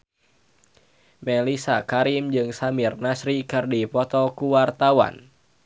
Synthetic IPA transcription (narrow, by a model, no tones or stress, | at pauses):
mɛlisakaɾimd͡ʒɨŋsamirnasɾikɨrdipɔt̪ɔkuwart̪awa̰n